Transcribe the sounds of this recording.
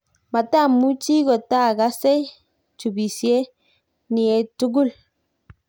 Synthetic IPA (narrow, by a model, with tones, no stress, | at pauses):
ma˨ta˦˨mu˦t͡ʃi˦ɡɔ˨ta˦˨ɡa˦sɛ˦j | t͡ʃu˨bi˨si˨e˦ | ni˨ɛ˨tu˦ɡu˦l